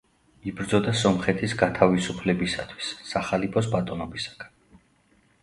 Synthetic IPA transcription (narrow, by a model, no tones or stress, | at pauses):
ibɾd̪zɔd̪asɔmχɛt̪ʰisɡat̪ʰavisupʰlɛbisa̰t̪ʰwi̥sːaχalipʰɔsbat̪ʼɔnɔbisḁɡ̥ḁn